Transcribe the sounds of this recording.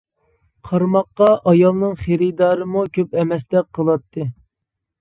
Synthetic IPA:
qʰɑɾmɑqːɑʔɑjɑlˠnɨŋχeɾɪd̪ɑːɾɨmukʲʰøpɛmɛsd̪ɛk̚qʰəlˠɑt̪ʰːɨ

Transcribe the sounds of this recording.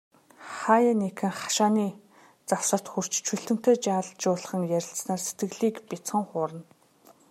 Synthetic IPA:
χaːjanekʰɘ̆ŋχḁʃaːniː | t͡saw̥sə̆t̪xur̥t͡ɕt͡ɕʰɵɬt̪ɵ̆m̥t̪eːt͡ɕaːɮt͡ɕʊːɮə̆χə̆ŋjæɾʲɪ̆ɬsnaːrse̥t̪ɡɘ̆ɣɮiːkpʲit͡sχə̆ŋχʊːɾə̆n

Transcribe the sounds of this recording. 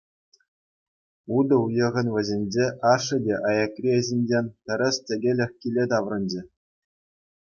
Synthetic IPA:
ud̪ɤ̆ujɤ̆ʁɤ̆nʋʲɘ̆zʲenʲd͡ʑeʔɑʂːɤ̆dʲeʔɑjɑkrʲiezʲenʲd͡ʑenʲt̪ʲɘ̆ɾʲɘ̆stʲɘ̆ɡʲelʲɘ̆xʲkʲilʲet̪ɑʋrɤ̆nʲd͡ʑɘ̆

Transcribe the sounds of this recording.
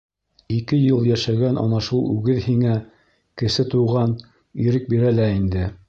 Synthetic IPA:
ikɘjɤlˠjæʃæɡænʔɑ̰nɑʃulˠʉɡɘðhiŋæ | kɘ̆sɘt̪uʁɑn | iɾɘk̚biɾælæind̪ɘ

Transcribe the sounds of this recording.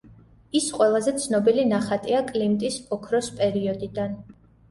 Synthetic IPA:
isqʼwɛlˠazɛt̪sʰnɔbilinaχat̪ʼiakʼlimt̪ʼisɔkʰɾɔspʼɛɾiɔd̪id̪an

